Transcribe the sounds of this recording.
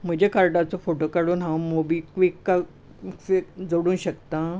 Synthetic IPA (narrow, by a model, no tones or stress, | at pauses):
m̤əd͡ʑekaɾʈat͡sofoʈokaɽuːnɦãmobikʋikːa | sed͡zoɽuːnɕəkt̪ã